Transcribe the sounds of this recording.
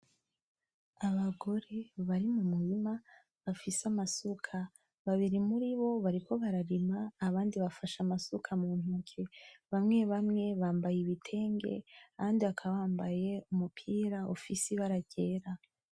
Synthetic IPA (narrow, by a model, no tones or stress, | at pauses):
aβaɡo̞ɾe̞βaɾimumuɾima | βafiseamasukʰa | βaβiɾimuɾiβo̞βaɾiko̞βaɾaɾimaːβaːndiβafaʃamasukʰamuːn̥hukʰe̞βamŋe̞βamŋe̞βaːmbajiβitʰe̞ːŋɡe̞̰aβaːndiβakʰaβaːmbaje̞umupʰiːɾao̰fisiβaɾaɟe̞ːɾa